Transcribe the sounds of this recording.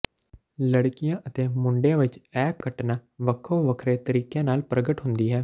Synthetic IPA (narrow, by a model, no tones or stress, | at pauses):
ləɽkɪjãːʔət̪eːmʊɳɖjãːʋɪt͡ʃɛːkːəʈnaːʋəkʰːõːʋəkʰɾeːt̪əɾiːkjãːnaːlpɾəɡəʈɦʊnd̪iːɦɛː